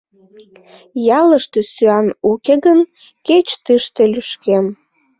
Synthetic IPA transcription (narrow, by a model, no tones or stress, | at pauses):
jɑləʃt̪øsyɑnukeɣən | ket͡ɕt̪ɨʃt̪elyʃkem